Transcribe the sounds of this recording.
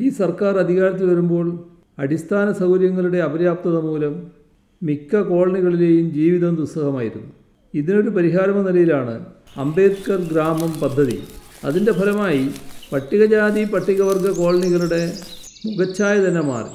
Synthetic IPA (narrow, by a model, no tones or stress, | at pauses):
iːsɐrkaːrɐd̪ʱiɣaːɾɐt̪̬ːilʋɐɾumbo̞ːɭ | ɐɽist̪ʰaːnɐsɐwɾjɐŋːɐɭuɽe̞ɐbɐɾjaːp̚t̪ɐðɐmuːlɐmː | ikːɐko̞ːɭɐɳiɣɐɭile̞ːjumd͡ʑiːʋiðɐmd̪usɐɣɐmaːjiɾunːu | iðino̞ɾupɐɾiɦaːɾɐmɐnilɐjilaːɳɨ̰ | ɐ̰mbe̞ːt̪kɐrɡɾaːmɐmpɐd̪ʱːɐðḭ | ɐ̰ðinde̞bʱɐlɐmaːjipɐʈːiɣɐd͡ʑaːðipɐʈːiɣɐʋɐrɡɐko̞ːɭɐɳiɣɐɭuɽe̞muɣɐt͡ɕːaːjɐðɐnɐma̰ːrḭ